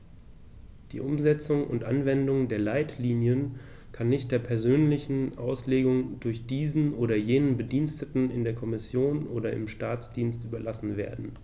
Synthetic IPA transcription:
d̥ḭːʔʊmzɛt͡sʊŋʔʊ̰ntʔa̰nvɛndʊŋdeːɐlaɪtʰliːnjən | kʰanːɪçtd̥eːɐpʰɛɐzøːnlɪçn̩ʔa̰ʊsleːɡʊŋdʊɐçd̥iːzn̩ʔoːɾɐjeːnənbədiːnstətn̩ɪndeːɐkʰɔmɪsjoːnʔoːɾɐɪ̰mʃtaːt͡sd̥iːnstʔyːbɐlasn̩veːɐdn̩

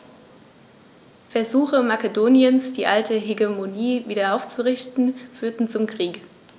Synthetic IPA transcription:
fɛɐzuːxəmakedoːnjənsd̥iːʔaltəɦeɡemoniːviːdɐʔaʊft͡suʁɪçtn̩fyːɐtn̩t͡sʊmkʁ̥iːk

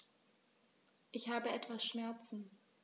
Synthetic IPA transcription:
ʔɪçhaːbəɛtv̥asʃmɛɐt͡sn̩

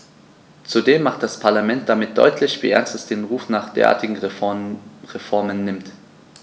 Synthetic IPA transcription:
t͡sudeːmːaχt̚d̥aspʰaɐlamɛnt̚d̥amɪt̚d̥ɔ̰ʏtʰlɪçv̥ḭːʔɛ̰ɐnstɛsd̥eːnʁuːfnaːχd̥ḛːɐa̰ɐtɪɡŋ̩ | ʁefɔɐmənːɪmt

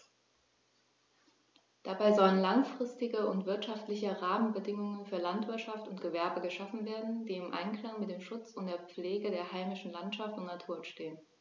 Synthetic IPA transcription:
d̥abaɪzɔlənlaŋfʁ̥ɪstɪɡəʊntv̥ɪɐtʃaftlɪçəʁaːmənbədɪŋʊŋənfyːɐlantv̥ɪɐtʃaftʊntɡ̥əvɛɐbəɡəʃafn̩veːɐdn̩d̥iːɪmʔa̰ɪnkl̥aŋmɪt̚d̥eːmʃʊt͡sʊnt̚d̥eːɐp͡fleːɡədeːɐhaɪmɪʃn̩lantʃaftʊntnatʰuːɐnʃteːən

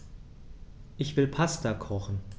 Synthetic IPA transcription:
ʔɪçv̥ɪlpʰastɐkʰɔχn̩

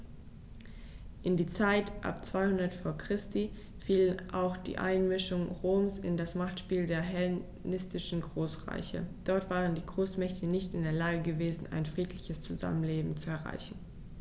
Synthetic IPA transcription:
ʔɪndiːt͡saɪtʔa̰pt͡sv̥aɪhʊndɐtfoːɐkʁ̥ɪsti | fiːlənʔaʊxd̥ḭːʔa̰ɪnmɪʃʊŋʁoːmsɪ̰ndasmaχtʃpiːldeːɐɦɛl | nɪstɪʃn̩ɡʁoːsʁa̰ɪçə̰d̥ɔɐtv̥aːʁəndiːɡʁoːsmɛçtənɪçtɪndeːɐlaːɡəɡəveːzn̩a̰ɪnfʁ̥iːtlɪçəst͡suza̰mənleːbm̩t͡suɛɐʁa̰ɪçn̩

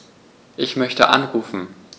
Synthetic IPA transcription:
ʔɪçmœçtə̰ʔa̰nʁuːfn̩

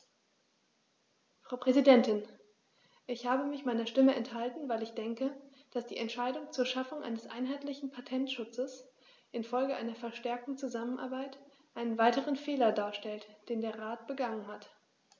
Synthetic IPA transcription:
fʁ̥aʊpʁ̥ɛzidɛntɪn | ʔɪçhaːbəmɪçmaɪnɐʃtɪməʔɛnthaltn̩vaɪlɪçd̥ɛŋkəd̥asd̥iːʔɛntʃaɪdʊŋt͡suːɐʃafʊŋʔa̰ɪnəsʔa̰ɪnɦaɪtlɪçn̩pʰatʰɛntʃʊt͡səs | ʔɪnfɔlɡəʔaɪnɐfɛɐʃtɛɐk̚tn̩t͡suzamənʔa̰ːɐbaɪt | ʔaɪnənvaɪtəʁənfeːlɐdaːɐʃtɛltd̥eːndeːɐʁaːt̚b̥əɡaŋənɦat

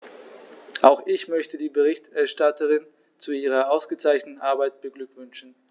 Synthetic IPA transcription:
ʔaʊxʔɪçmœçtədiːbəʁɪçtɛɐʃtatəʁɪn | t͡suiːʁ̞ɐaʊsɡ̥ət͡saɪçnətn̩ʔaɐbaɪtb̥əɡlʏkv̥ʏnʃn̩

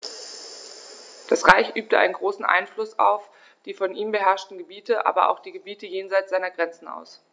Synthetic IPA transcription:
d̥asʁaɪçʔyːp̚təʔa̰ɪnənɡʁoːsn̩ʔa̰ɪnflʊsa̰ʊf | d̥iːfɔnʔiːmbəɦɛɐʃtn̩ɡəbiːtʰəʔa̰ːbɐʔa̰ʊxd̥iːɡəbiːtəjeːnzaɪtz̥aɪnɐɡʁɛnt͡sn̩a̰ʊs

